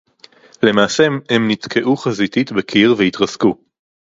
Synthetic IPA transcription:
le̞maːsemhemnit̪kʰe̞ʔuχazit̪it̪bekʰiʁveit̪ʁazku

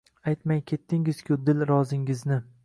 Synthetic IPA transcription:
ajt̪majkʲʰe̞t̪ʰːɪŋɪz̥kʲʰʊd̪ɪlɾɒzɪŋɪznɪ

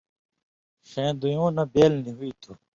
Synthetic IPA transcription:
xẽːd̪ujõːnɐbeːlniɦuit̪ʰu

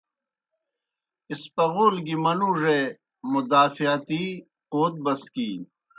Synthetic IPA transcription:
ispɐɣoːlɡimɐnuːʐe | mud̪aːfijaːt̪iː | qoːt̪̚bɐskiːn

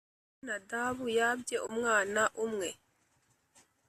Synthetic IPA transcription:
nadaːbujab̚d͡ʒɛʔumŋaːnaʔumŋɛ

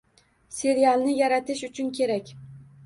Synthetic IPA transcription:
se̞ɾijalˠnɪjaɾat̪ʰɪʃʊt͡ʃʰʊnkʲʰe̞ɾakʲ

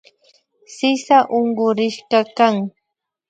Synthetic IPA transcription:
sɪsaʔoɴɢʊɾɪʃɢɑkaŋ

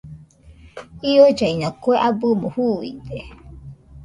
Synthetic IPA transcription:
iod͡ʒaiɲãkoeʔabɨmohuḭd̪e

